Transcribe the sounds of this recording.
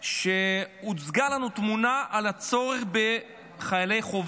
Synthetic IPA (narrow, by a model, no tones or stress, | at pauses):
ʃeut͡sɡalanut̪munaʔalat͡so̞ʁeχbe̞ | χajale̞jχov